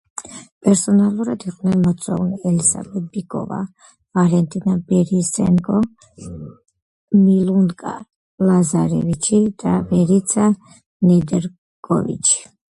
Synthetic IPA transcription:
pʼɛɾsɔnalˠuɾad̪iqʼnɛnmɔt̪sʼɔ̰uniɛlisa̰bɛt̪̚bikʼɔ̰va̰ | valɛnt̪ʼinabɛɾisɛŋkʼɔ | milunkʼa̰ | lazaɾɛvit͡ʃʰid̪̥avɛɾit̪sʰa | nɛd̪ɛɾ | kʼɔ̰vḭt͡ʃʰi̥

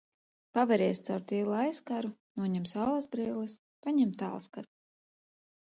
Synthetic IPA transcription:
pavɛɾɛːst̪sawɾt̪iːlˠuajskaɾunuɔɲɛmsawlˠazbɾiːlˠɨs | paɲɛmt̪a̰ːlˠskaɾ

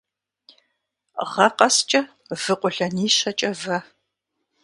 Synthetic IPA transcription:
ʁɐqɐst͡ʃʼɐ | v̥ɨqʷʊɬɐniːɕɐt͡ʃʼɐvɐ

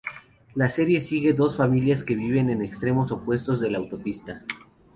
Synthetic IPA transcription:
lase̞ɾje̞siɣe̞ðo̞sfamiljaske̞βiβe̞ne̞nekst̪ɾe̞mo̞so̞pwe̞st̪o̞zðe̞lawt̪o̞pist̪a

